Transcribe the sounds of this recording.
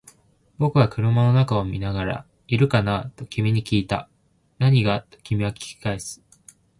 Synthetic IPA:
bo̞kɯ̟ɡakɯ̟ɾɯ̟mano̞nakaomʲinaɡaɾa̰ | iɾɯ̟kanat̪o̞kʲimʲiɲ̟ikʲiːt̪a | naɲ̟iɡat̪o̞̥kʲimʲiβakʲi̥kʲi̥kaesɨ̥

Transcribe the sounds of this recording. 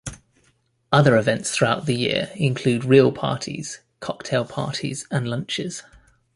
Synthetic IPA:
ʌðəɹɪvɛ̃ntsθɹuaʊʔðəjɪ̰əɹɪ̃nkʰl̥ʉːdɹiːəlˠpʰɑ̰ˑtʰḭz̥ | kʰɒk̚tʰɛɪlˠpʰɑ̰ˑtʰḭz̥ə̃nlʌ̃nt͡ʃɪ̰z̥

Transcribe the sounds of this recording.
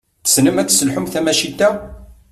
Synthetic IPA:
θsnəmæt͡sːsəlħʊmθæmæʃit̪ːæ

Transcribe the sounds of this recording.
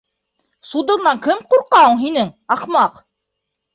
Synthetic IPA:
sud̪ɤ̆ɾnɑŋkɘmquɾqɑwɤ̆ɴɦinɘŋɑqmɑq

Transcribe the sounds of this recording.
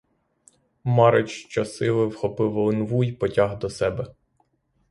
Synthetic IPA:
mɑɾet͡ʃt͡ʃɐsɪlˠɪwxɔpɪwlˠɪnʋujpɔtʲɑɦd̪ɔsɛbɛ

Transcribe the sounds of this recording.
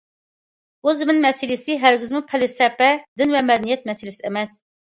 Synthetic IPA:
uzɪmɪnmɛsɪlɪsɪɦæɾɡʲɪzmupʰɛlɪsɛpɛd̪ɪnvɛmɛd̪ɛnijɛt̪̚mɛsɪlɪsɪemɛs

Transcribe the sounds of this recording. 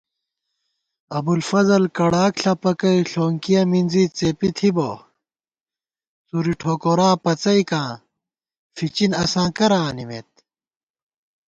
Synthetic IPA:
ɐbulfɐzɐlkɐɽaːkɬɐpɐkɐiɬoːŋkijɐmind͡zit͡sepit̪ʰibo̰ː | t͡suɾiʈʰoːkoɾaːpɐt͡sɐikãː | fit͡ɕinɐsãːkɐɾãːnimḛt̪̚

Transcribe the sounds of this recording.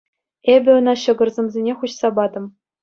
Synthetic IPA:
ebʲɘ̆ŏnɑɕɤ̆ɡɤ̆rzʲĕmzʲenʲeχuɕsɑbɑd̪ɤ̆m

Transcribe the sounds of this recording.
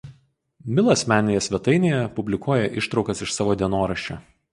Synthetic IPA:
mʲɪlˠɐsʲmʲæːnʲeːjɛsʲʋʲɛt̪ɐɪnʲeːjɛpʊbʲlʲɪkuɔːjɛʔɪʃt̪ɾɒʊkɐsɪʃsɑːʋoːd̪ʲiɛnoːɾɐʃʲt͡ʃʲɛː

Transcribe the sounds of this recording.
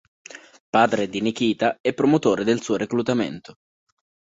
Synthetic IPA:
paːd̪ɾed̪inik̟iːt̪aɛpːɾomot̪oːɾed̪elsuːoɾeklut̪amḛnt̪o̥

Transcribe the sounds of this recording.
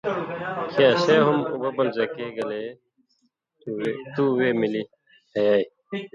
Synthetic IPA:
kʰãːɕeːɦumṵbɐbɐld͡ʑɐkeːɡɐle | t̪uweːmili | hɐjaːi

